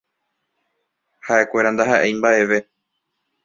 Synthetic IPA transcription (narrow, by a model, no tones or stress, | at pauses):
haʔe̞kʷe̞ɾand̪aɦaʔejmbaʔe̞ʋe̞